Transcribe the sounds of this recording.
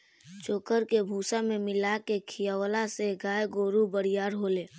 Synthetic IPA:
t͡ʃoːkəɾkebʱuːsamẽmɪlakekʰijawlaseɡaːjɡoːɾubəɽijaːɾɦoːleː

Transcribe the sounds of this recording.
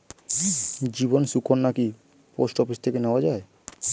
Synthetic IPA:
d͡ʑibonsukʰonːaki | posʈofist̪ʰekeneoad͡ʑae

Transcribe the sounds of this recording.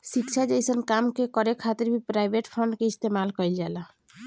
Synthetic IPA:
sikt͡ʃʰad͡ʒejsənkamkekɔɾekʰat̪əɾbʱipɾajbʱeʈpʰɔɳɖkeist̪emalkɔild͡ʒala

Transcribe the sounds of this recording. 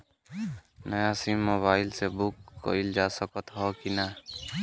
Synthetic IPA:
nəjasimːoːβaːɪlsebʊkːo̰ɪld͡ʒaːsəkət̪ɦɔkina

